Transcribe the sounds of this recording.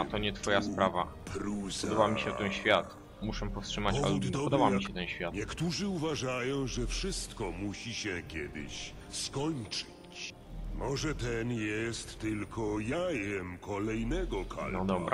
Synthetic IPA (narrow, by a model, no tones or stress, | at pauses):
at̪ɔɲɛt̪fɔjaspɾava̰ | pɾuspɔd̪ɔbamʲiɕɛft̪ɛnɕfʲjat̪ | muʂɛpɔfst̪ʂɘmat͡ɕa̰lɛɔd̪ɔbamʲiɕɛt̪ɛnɕfʲjat̪ɲɛkt̪uʐɘuvaʐajɔ̃w̃ʐɛfʂɘst̪kɔmuɕiɕɛkʲjɛd̪ɪ̰ɕ | skɔɲt͡ʂɨ̥t͡ɕ | mɔʐɛt̪ɛnjɛst̪ːɘlkʰɔjajɛmkʰɔlɛjnɛɡɔkʰa̰nɔd̪ɔbɾa̰